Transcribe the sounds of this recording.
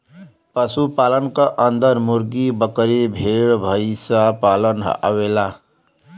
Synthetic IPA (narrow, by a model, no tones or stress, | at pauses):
pəsupaːlənkaʔənd̪əɾmuɾɡibəkɾebʱeɭbʱəjsapaːlənɦʔa̰wela